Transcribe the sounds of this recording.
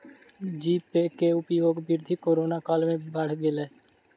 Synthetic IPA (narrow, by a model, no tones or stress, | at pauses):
d͡ʒiːppeːkeːʊpiːoːkbɪɾd̪ʱiːkoːɾoːnaːkaːlmẽːbəɽ̤ɡɪlɛː